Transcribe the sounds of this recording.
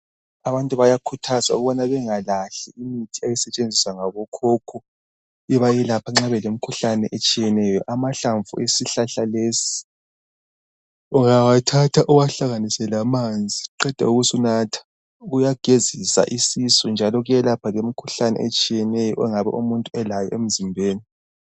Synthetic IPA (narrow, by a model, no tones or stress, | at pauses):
aβantʼuβajakʰutʰazaṵɣuβɔnaβɛŋalaɬɛimitʰiajisɛt͡ʃʼend͡zʱiswaŋaβɔkʰɔkʰɔ | iβajilapʰaŋ͡ǁaβɛlem̩kʰuɬanɛ̰ʔet͡ʃʼijɛnɛjɔ̰ʔamaɬaɱvṵʔesiɬaɬaleːsi̥ | uŋawatʰatʰaʔuwaɬaɣanisɛlamand͡zʱiǃɛd̥ʱa̰uɣusunatʰḁ | ɣujaɡ̥ʱezisa̰ʔisisɔnd͡ʒʱalɔɣujɛlapʰalem̩kʰuɬanɛ̰ʔet͡ʃʼijɛnɛjɔ̰ʔɛŋaβɛ̰ʔumuntʼuɛlajɔ̰ʔem̩zimbʱeːni